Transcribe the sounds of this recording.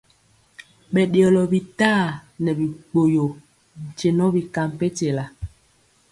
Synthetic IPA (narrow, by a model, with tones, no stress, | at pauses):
ɓɛ˨ɗjɔ˨lɔ˨bi˨taː˦˨nɛ˨bi˨k͡po˨jo˨ | n̩˨t͡ʃe˨nɔ˦bi˨ka˨m˨pe˦te˨la˨